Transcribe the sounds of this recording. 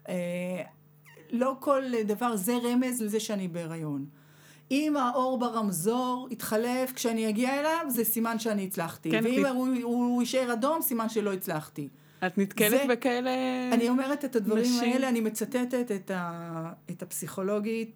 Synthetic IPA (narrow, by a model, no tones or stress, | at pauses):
ʔe | lo̞ko̞ld̪avaʁzeʁe̞me̞zlezeʃeanibeʁajo̞n | imaʔo̞ʁbaʁamzo̞ʁit̪χale̞fkʃeanijaɡiaelavzesimanʃeaniːt͡slaχtiveimuiʃeʁado̞msimanʃelo̞it͡slaχti | at̪nit̪kelebekaeleanio̞meʁetetadvaʁimaeleanimet͡sat̪etetetaetapsiχo̞lo̞ɡit̚